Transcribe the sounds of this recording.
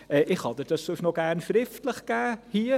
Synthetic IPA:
əʔɪxhɑdət̚əsosnɔɡɛːrnfrɪftələχkaːhiːə

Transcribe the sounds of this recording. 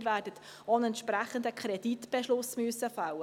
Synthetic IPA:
ɾvæːɾdət̪ | ɔənɛnt̪ʃpɾæχənd̪əkʰχɾɛd̥it̪b̥ɛʃlʊsmyəsəfɑwə

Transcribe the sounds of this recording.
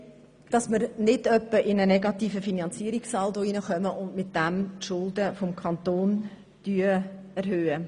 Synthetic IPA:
d̥ɑsməɾnɪdœpːəʔɪnənɛɡɑt̪iːfəfinɑnt͡siːɾiksɑldoinəχœməʔʊndmɪt̚d̥ɛmtʃʊldəfomkʰɑnt̪oːn | d̥yːəɛɾɦøːə

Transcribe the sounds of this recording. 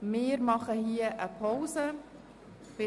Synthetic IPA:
mɪːɾmɑχəhiəʔəpʰɔwsə | pɪ

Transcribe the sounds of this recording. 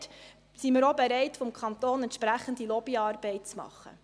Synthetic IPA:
t | siməɾobɛɾɛɪtfɔmkʰɑnt̪oːnɛntʃpɾæχən̩dilɔbiɑːrbɛɪt̚t͡smɑ̰χːə̰

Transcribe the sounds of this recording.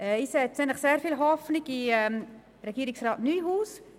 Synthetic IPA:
ɛiːsɛt͡snɛnləχseːɾfilɦɔfnɪɡiɛ | ɾɛɡ̥iːɾɪksraːtnyːɦuːs

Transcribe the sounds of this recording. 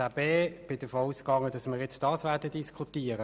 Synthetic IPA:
abeːb̥ɪd̥əfoːuskɑŋːədɑsmɪːʁjɛt͡sd̥ɑːsvɛːɐdəd̥iskʰχutiːəʁə

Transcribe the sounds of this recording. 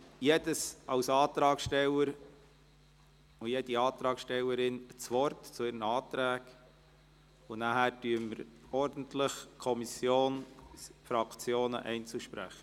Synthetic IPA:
jedəsɑwsɑːt̪ɾɑːkʃtɛlːəɾ | ʊjed̥iɑːt̪ɾɑːkʃtɛlːəɾɪnət͡sʋɔrtt͡sʊɪɾənəɑːtɾæːɡ | ʊnæhæːɾtyəmːəɾɔɾdən̩tlɪχkʰɔmisjoːnsfɾɑkt͡sjoːnə̰ʔɛɪnt͡suʃpɾæ̰χə

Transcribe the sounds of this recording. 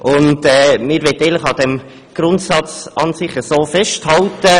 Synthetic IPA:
ʔʊntɛmɪɾʋɛt̪ːɛɪləχɑd̥̪ɛm | ɡ̥ɾʊntsɑt͡sɑnsɪχəsoːfɛʃthɑltə

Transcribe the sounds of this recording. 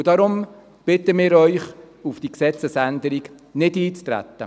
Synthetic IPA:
d̥ɑɾʊm | b̥ɪt̪əmɪːɾœʏχ | ufd̥iːksɛt͡səsænd̪əɾiɡ | nɪdiːt͡st̪ɾæ̰t̪ːə̰

